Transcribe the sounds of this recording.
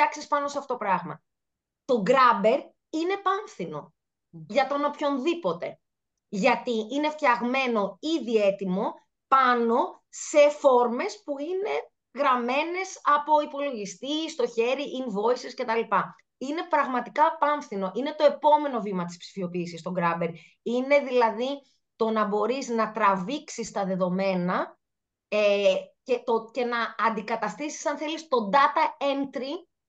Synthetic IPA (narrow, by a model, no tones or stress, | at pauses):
ɐksispɐno̞seɐfooo̞pɾɐɣmɐ̰ | t̪o̞ɡɾɐbe̞ɾ | ine̞pɐɱθino̞̰ | ʝɐt̪o̞nopço̞nðipo̞t̪e̞ | ʝɐt̪iine̞ft̪çɐɣme̞no̞iðie̞t̪imo̞ | pɐno̞ | se̞fo̞ɾme̞spuine̞ | ɣɾɐme̞ne̞sɐpo̞ipo̞lo̞ʝist̪ist̪o̞çe̞ɾiʔinvo̞isisce̞t̪ɐlipɐ | ine̞pɾɐɣmɐt̪ikɐpɐɱfθino̞ʔine̞t̪o̞e̞po̞me̞no̞vimɐt̪ispsi̥fio̞piːsist̪o̞ɡɾɐbe̞ɾ | ine̞ðilɐði | t̪o̞nɐbo̞ɾiznɐt̪ɾɐviksist̪ɐðe̞ðo̞me̞nɐ | ecet̪oce̞nɐːnd̪ikɐt̪ɐst̪isi̥sɐnθelist̪o̞d̪ɐt̪ɐent̪ɾi